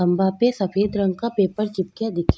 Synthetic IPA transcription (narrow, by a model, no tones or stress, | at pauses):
ɐmbapesɐfeːd̪ɾɐ̃ŋɡ̚kapeːpəɾt͡ʃɪp̚kjad̪ɪkʰ